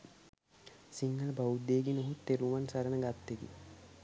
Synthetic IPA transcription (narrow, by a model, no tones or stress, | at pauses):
siŋɡələbaud̪ːeːɡinoɦut̪ːeɾuʋansɐɾənəɡat̪ːeɡḭ